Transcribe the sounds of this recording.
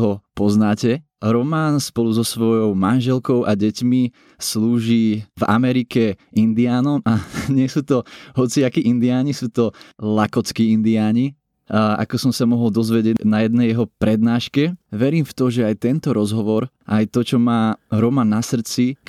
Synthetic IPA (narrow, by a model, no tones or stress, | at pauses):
ɦɔpɔznaːcɛ | ɾɔmaːnspɔluzɔsʋɔjɔʊmanʒɛlkɔʊʔaɟɛcmi | sluːʒiːva̰mɛɾikɛind̪iaːnɔmaɲɪɛsuːt̪ɔɦɔt͡siakiːʔind̪iaːɲisuːt̪ɔlakɔt͡skiːind̪iaːɲi | a̰kɔsɔmsamɔɦɔld̪ɔzʋɛɟɪɛnajɛd̪nɛjjɛɦɔpɾɛd̪naːʃkɛʋɛɾiːmft̪ɔʒɛajt̪ɛnt̪ɔɾɔzɦɔʋɔɾ | ʔajt̪ɔt͡ʃɔmaːɾɔmanːasr̩t͡si